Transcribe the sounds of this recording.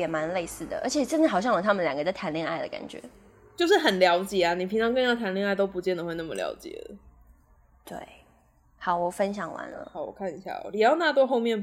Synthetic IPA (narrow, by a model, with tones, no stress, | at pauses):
jɛ˨˩ma˧˥nle˥˧ɪsɹ̩˥˩d̪ə̰˩ʔə˞˧˥t͡ɕʰjɛ˨˩ʈ͡ʂə˥˧nɻ̩˥˩xɑ˨˩ʊɕjɑ˥˩ŋlə˨˩t̪ʰa˥mə˨nljɑ˨ŋɡə˦d̪ə˧˥t̪ʰa˧˥nlji˥˧ŋa˥˩ɪd̪ə̰˩ka̰˨˩nt͡ɕɥɛ̰˧˦ | t͡ɕjo˥˧ʊʂɻ̩˥˩xə˨˩nljɑ˧˥ʊt͡ɕjɛ˨˩a˦ni˨˩pʰi˧˥ŋʈ͡ʂʰɑ˧˥ŋkə˥n˥˩t̪ʰa˧˥nljɛ˥˧ŋa˥˩ɪt̪o˥ʊpu˧˥t͡ɕjɛ˥˩nd̪ə˩xwe˥˧ɪna˥˩mə˨ljɑ̰˧˥ʊt͡ɕjɛ̰˨˩də̰˦ | t̪wḛ˥˩ɪ | xɑ˧˥ʊwɔ˨˩fə˥nɕjɑ˨˩ŋwa̰˧˥nlə̰˧˦ɑ˧˥˦wɔ̰˨˩kʰa˥˩ni˨˩ɕja̰˥˩ɔ̰˩ni˨˩jɑ˥˧ʊna˥˧t̪̬wɔ˥xo˥˧ʊmjɛ˥˨n